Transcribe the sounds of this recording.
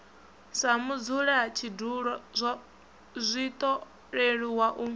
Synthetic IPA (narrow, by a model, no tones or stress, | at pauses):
samud͡zuɺat͡ʃʰiduɺɔzʷ | zʷit̪ʼɔ | ɺeɺiwaʔu